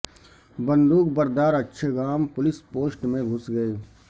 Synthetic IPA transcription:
bɐ̃nd̪uːkbɐɾd̪aːɾɐtːʃʰeɡaːmpʊlɪspoːsʈmẽɡʱʊsɡɐeː

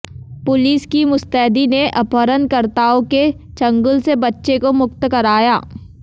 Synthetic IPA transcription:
pʊliːskimʊst̪ɛːɦd̪ineʔɐpəɾənkɐɾt̪aːõke | t͡ʃɐ̃ŋɡʊlsebɐtːʃekomʊkt̪kɐɾaːjaː

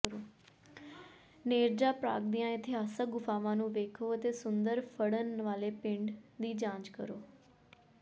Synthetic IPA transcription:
ɾoː | neːɾd͡ʒaːpɾa̰ːɡd̪ijãːɪt̪ʰɪɦaːsəkɡʊpʰaːʋãːnũːʋeːkʰoːət̪eːsʊnd̪əɾpʰəɽənʋaːleːpɪ̃ɳɖd̪iːd͡ʒãːd͡ʒkəɾoː

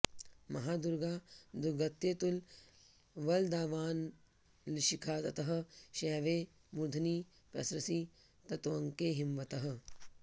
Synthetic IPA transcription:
mɐɦaːd̪uɾɡaːd̪uɾɡɐt̪ːeːt̪ul | ʋɐld̪aːʋaːn | liʃikʰaːt̪ɐt̪ɐɦɐ̆ʃɛːʋeː | mud̪ʱɐniː | pɐ̰sɾɐsiː | t̪ɐt̪ʋɐŋkeːɦimʋɐt̪ɐɦɐ̆

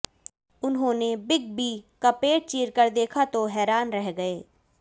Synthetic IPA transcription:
ʊnɦõːnebɪɡ̚bʱiːkɐpeːʈ̚t͡ʃiːɾkəɾd̪eːkʰat̪oɦɛːɾaːnɾɛɦɡɐeː

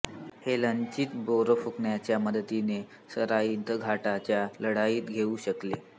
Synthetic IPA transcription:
helənt͡ɕiːt̪boɾəfukɳjat͡ɕjaməd̪ət̪ine | səɾaint̪əɡʱaʈat͡ɕjaləɽaiːt̪ɡʱeuɕəkle

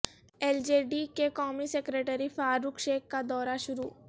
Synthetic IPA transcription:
ɛːld͡ʒeːɖikekɔːmisekɾeːʈəɾifaːɾʊkʃeːkːad̪ɔːɾaʃʊɾuː

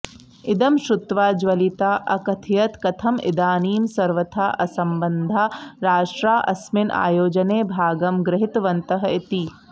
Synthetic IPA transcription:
ɪd̪ɐmʃʊt̪ʋaːd͡ʒʋɐlit̪aːʔɐ̰kɐt̪ʰijɐt̪kɐt̪ʰɐmɪ̰d̪aːniːmsɐɾʋɐt̪ʰaːʔɐsɐmbɐnd̪ʱaːɾaːʂʈɾaːʔɐ̰smɪnʔa̰ːjoːd͡ʒɐneːbʱaːɡɐmɡɾɪɦɪt̪ʋɐnt̪ɐɦɐit̪i

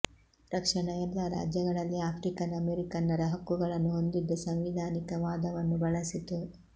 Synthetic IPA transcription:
ɾɐkʂɐɳɐjɛlːaɾa̰ːd͡ʒjɐɡɐɭɐlːiaːpʰɾikɐnɐmeɾikɐnːɐɾɐɦɐkːuɡɐɭɐnːuɦo̞nd̪id̪ːɐsɐmʋid̪ʱaːnikɐʋaːd̪ɐʋɐnːubɐɭɐsit̪u

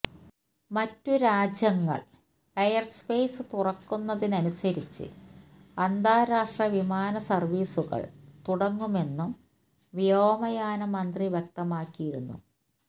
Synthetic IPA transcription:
mɐtːuɾaːd͡ʑjɐŋːɐ̰ɭ | ɐjɐrspe̞ːjsɨt̪urɐkːunːɐðinɐnusɐɾit͡ɕːɨ̰ | ɐnd̪aːɾaːʂʈrɐʋimaːnɐsɐrʋiːsuɣɐ̰ɭt̪uɽɐŋːume̞nːum | ʋijoːmɐjaːnɐmɐnd̪riʋjek̚t̪ɐmaːkːijiɾunːṵ

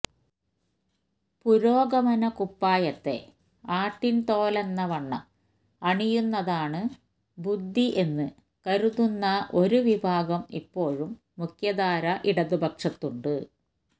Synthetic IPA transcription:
puɾo̞ːɡɐmɐnɐkupːaːjɐt̪ːe̞̰ | aːʈːint̪o̞ːlɐnːɐʋɐɳːɐ | ɐɳijunːɐðaːɳɨ | bud̪ʱːiʔe̞nːɨ | kɐɾuðunːɐʔo̞ɾuʋibʱaːɡɐmḭpːo̞ːɻumːukʰjɐd̪aːɾɐʔiɽɐðubʱɐkʂɐt̪ːuɳɖɨ

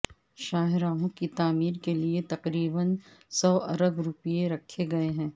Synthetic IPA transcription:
ʃaːɦɪɾaːɦõkit̪aːmiːɾkeliet̪ɐqɾiːbənsɔːʔɐɾəbɾʊpijeɾɐkʰːeɡɐeɦɛ̃ː

